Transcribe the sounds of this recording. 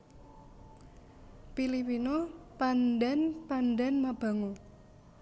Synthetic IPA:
pilipinopandanpandanmab̥a̤ŋo

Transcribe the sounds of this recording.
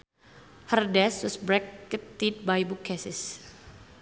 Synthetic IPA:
hərdɛsʊsbɾɛkːət̪ːid̚bajbukʰːɛsɪs

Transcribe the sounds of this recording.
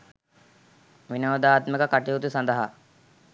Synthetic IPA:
ʋinɐʋɐd̪aːt̪mekəkaʈiut̪usɐnd̪əɦa

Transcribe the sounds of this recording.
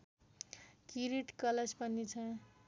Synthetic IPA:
kiɾiʈkʌled͡zpʌnit͡sʰʌ̃

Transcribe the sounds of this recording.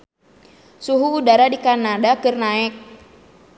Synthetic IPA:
suɦuːdaɾadikanadakɨrnaɛk̚

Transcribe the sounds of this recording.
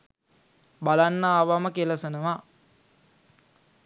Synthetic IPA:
balanːəːʋaməkeləsənəʋa

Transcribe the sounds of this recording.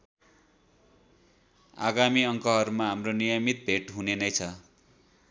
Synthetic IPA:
a̰ɡamiʌŋkʌɦʌɾumaɦamronijʌmit̪̚bʱeʈɦunenʌjt͡sʰʌ

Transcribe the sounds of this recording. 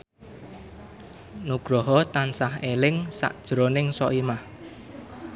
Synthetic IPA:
nuɡ̥ɾɔɦɔt̪ansaɦelɪŋsa̰ʔd̥ʒ̥ɾonɪŋsɔʔimah

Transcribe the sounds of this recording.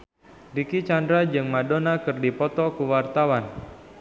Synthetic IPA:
dikit͡ʃandɾad͡ʒɨŋmadonakɨrdipɔt̪ɔkuwart̪awan

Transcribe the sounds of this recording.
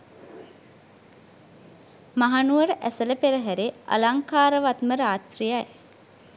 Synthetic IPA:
maɦanuʋəɾəʔæsələpeɾəɦæɾea̰laŋkaːɾəʋat̪məɾaːt̪rijaj

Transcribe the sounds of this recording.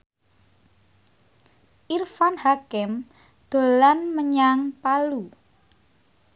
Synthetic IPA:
ʔirfanhakɪm | d̪̥o̤lanməɲaŋpalu

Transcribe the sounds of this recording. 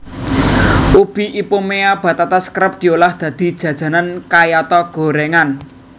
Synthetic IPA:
ub̥i̤ʔipomeab̥ä̤t̪at̪askɾəp̚d̪̥i̤olahd̪̥ä̤d̪̥i̤d̥ʒ̥ä̤d̥ʒ̥ä̤nankajat̪ɔɡ̥o̤ɾeŋan

